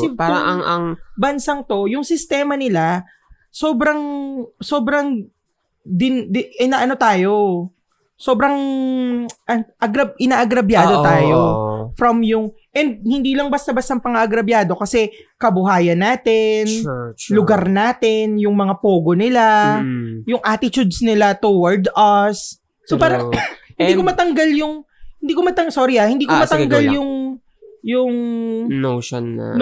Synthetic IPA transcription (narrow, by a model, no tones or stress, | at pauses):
sɪpaɐɐŋɐŋbɐnsɐŋt̪o̞jʊŋsɪst̪ɛːmɐnɪla | so̞ːbɾɐŋso̞ːbɾɐŋ | d̪ɪnd̪ɪɪnaʔɐno̞t̪aːjo̞ | so̞ːbɾɐŋ | ʔɐʔɐɡɾɐbʔɪnaːʔɐɡɾɐbjaːo̞t̪aːjofɾɐmjʊŋʔɛnd̪̚hɪnd̪iːlɐŋbɐst̪ɐbɐst̪ɐŋpɐŋaʔɐɡɾɐbjaːd̪o̞kɐsɛkɐbʊɦaːjɐnːaːt̪ɛnlʊɡaɾnaːt̪ɛnjʊŋmɐŋapoːɡonɪla | jʊŋʔaːt̪ɪt͡ʃud̪snɪlat̪uwɐɹd̪ɐsː | opaːɾɐŋhɪnd̪iːkomɐt̪ɐŋɡaljʊŋ | hɪnd̪iːkomɐt̪ɐsoɾɪahɪnd̪iːomɐt̪ɐŋɡaljʊŋ | jʊŋnoʃn̰ːn